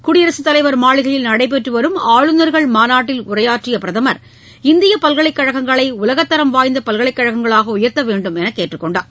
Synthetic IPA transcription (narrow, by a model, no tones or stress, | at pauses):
kʊɽɪjɐɾɐsɯt̪ːɐlɐɪʋɐɾmaːɭɪɣɐɭɪlnɐɽɐɪp̬ːɛʈrɯʋɐɾɯmaːɻɯnɐɾɣɐɭmaːnaːʈːɪlʊrɐjaːʈrɪjɐpɪɾɐðɐmɐɾ | ɪnd̪ɪjɐpɐlɣɐɭɐɪkːɐɻɐɣɐŋɡɐɭɐɪʊlɐɣɐt̪ːɐɾɐmʋaːjnd̪ɐpɐlɣɐɭɪkːɐɻɐɣɐŋɡɐɭaːɣɐʊjɐɾt̪ɐʋeːɳɖɯmɛnɐkːeːʈrɯkːɔɳɖaː